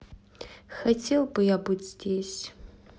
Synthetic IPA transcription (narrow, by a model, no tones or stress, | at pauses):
xɐtʰelˠbɨjaːbɨtʰʲz̥dʲesʲ